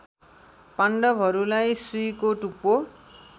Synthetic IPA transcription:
paɳɖʌbʱɦʌɾulajsujkoʈupo

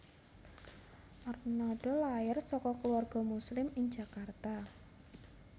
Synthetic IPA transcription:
ʔɔrnaɖ̥ɔlaɪrsɔkɔkluarɡ̥ɔ̤muslɪmɪŋd͡ʒ̥a̤kart̪a

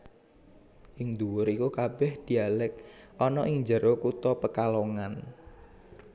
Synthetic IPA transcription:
ʔɪŋd̪uwʊɾikukab̥ɛhd̪̥i̤alɪk̚ʔɔnɔʔɪŋd͡ʒəɾokut̪ɔpəkaloŋan

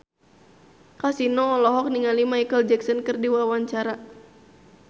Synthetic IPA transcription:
kasinɔːlɔɦɔk̚niŋalimajkəld͡ʒɛksɔnkərdiwawaɲt͡ʃaɾa

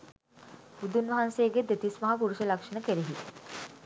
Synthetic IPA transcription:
ud̪unʋɐɦanseːɡed̪et̪ismɐɦapuɾuʃəlakʂɐnəkeɾeɦit̪

